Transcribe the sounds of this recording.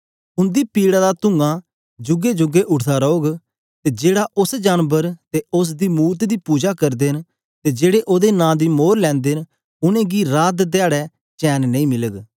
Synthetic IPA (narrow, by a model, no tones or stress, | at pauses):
ʊnd̪iːpiːɽaːd̪aːt̪ʊŋɡãː | d͡ʒʊɡeːd͡ʒʊɡeːʔʊɽt̪ʰaːɾoːɡ | t̪eːd͡ʒeːɽaːʔʊsd͡ʒaːnbəɾt̪eːʊs̬d̪iːmuːt̪d̪iːpuːd͡ʒaːkəɾd̪eːn | t̪eːd͡ʒeːɽeːʔoːd̪eːnãːd̪iːmoːɾlɛ̃ːnd̪eːn | ʊnẽːɡiːɾaːd̪d̪ɪaːɽɛː | t͡ʃɛːnnəĩːmɪləɡ